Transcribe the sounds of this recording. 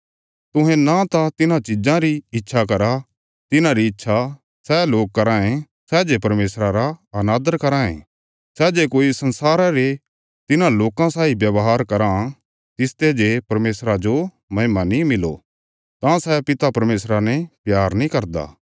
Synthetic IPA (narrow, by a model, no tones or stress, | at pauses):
t̪ʊ̃ɦẽnãt̪at̪ɪnãt͡ʃɪd͡ʒãɾiɪtːʃʰak̬ɐɾa | t̪ɪnãɾiɪtːʃʰa | sɛloːk̚kːɐɾãːẽ | sɛːd͡ʒepɐɾmeːsɾaɾaɐnaːd̪əɾkɐɾãːḛ̃ | sɛːd͡ʒekoːisɐ̃nsaːɾãɾe | t̪ɪnãloːkãsaːibjɐʋɦaːɾkɐɾã | t̪ɪst̪ed͡ʒepɐɾmeːsɾad͡ʒo | mɐɦɪmanĩmɪlo̰ | t̪ãsɛpɪt̪apɐɾmeːsɾanepjaːɾnĩkɐɾd̪a̰ː